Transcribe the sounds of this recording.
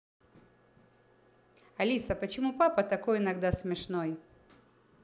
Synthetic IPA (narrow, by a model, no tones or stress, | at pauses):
ɐlʲisɐpət͡ɕɪmupapət̪ɐkojɪnɐɡd̪asmʲɪʂnoj